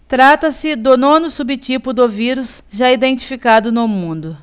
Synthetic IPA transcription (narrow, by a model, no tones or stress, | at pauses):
t̪ɾat̪ɐsɪd̪ʊnõnʊsubɪt͡ʃipʊd̪ʊviɾʊsʒaid̪ẽnt͡ʃi̥fikad̪ʊnʊmũnd̪ʊ